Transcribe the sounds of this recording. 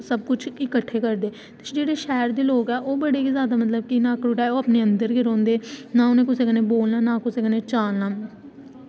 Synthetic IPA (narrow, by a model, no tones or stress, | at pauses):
səb̚kʊt͡ʃʰɪkəʈʰːeːkəɾd̪eː | t̪ɪ̥d͡ʒeːɽeːʃɛːɾd̪eːloːɡɛːʔoːbəɽeːkizjaːd̪aːmət̪ləb̚kinaːkɾʊʈaːoːpneːənd̪əɾɡɪɾɔ̃ːnd̪eːnaːʊnẽːkʊseːkəneːboːlnaːnaːkʊseːkəneːt͡ʃaːlnaː